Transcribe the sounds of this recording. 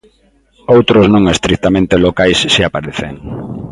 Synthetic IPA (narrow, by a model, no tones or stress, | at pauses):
owt̪ɾʊznõŋest̪ɾik̚t̪amẽnt̪elokajsːiapaɾeθeŋ